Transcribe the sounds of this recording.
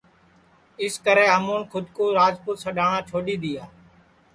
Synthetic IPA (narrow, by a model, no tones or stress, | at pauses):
ɪskəɾeːɦəmuːnkʰʊd̪koːɾaːd͡ʒpʊːt̪səɗaːɳãːt͡ʃʰoːɗiːd̪iːaː